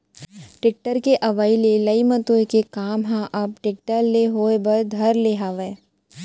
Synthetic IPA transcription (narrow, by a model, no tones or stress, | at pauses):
ʈɪk̚ʈəɾkeʔɐʋaːilelɐimət̪oekekaːmɦãʔɐp̚ʈɪk̚ʈəɾleɦoːebɐɾd̪ʱɐɾleːɦaːʋeː